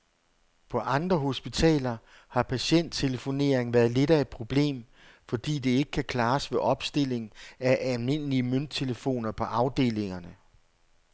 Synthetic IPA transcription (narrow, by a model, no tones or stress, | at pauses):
pʰɒ̽ʔɑ̈nd̥ʁɐɦo̝sb̥it͡sʰɛ̰ːlɐ | hɑ̈pʰæɕen̰d̥t͡sʰe̝ləfo̝ne̝ɐ̰eŋʋæːɐðˠle̝ɾɐe̝d̥̚pʰʁo̝b̥le̝̰ːm | fɒ̽d̥ḭːd̥e̝e̝ɡ̥ə̥kʰækʰlɑ̈ːsʋe̝ʔɒ̽b̥sd̥e̝l̰e̝ŋ̩æʔælme̝n̰liəmøn̰d̥̚t͡sʰe̝ləfo̝̰ːnɐpʰɒ̽ʔɑ̈ʊd̥e̝̰ːle̝ŋɐnə